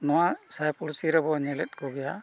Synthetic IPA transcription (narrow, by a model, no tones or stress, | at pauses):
nɔwasajpuɾsiɾɛbɔɲɛlɛt̪̚kɔɡɛja